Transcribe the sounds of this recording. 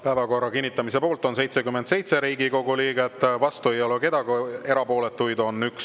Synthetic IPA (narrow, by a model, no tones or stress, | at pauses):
pæevɑko̞rːɑkinʲːit̪ːˑɑmise̞po̞ːlt̪ːˑo̞nse̞jt̪se̞kymːent̪se̞jt̪se̞ɾiːɡiko̞ɡuliːɡ̥e̞t̪ːˑvɑst̪ue̞jo̞leke̞d̪ɑɡe̞ɾɑpo̞ːlet̪ːˑujd̪o̞nyks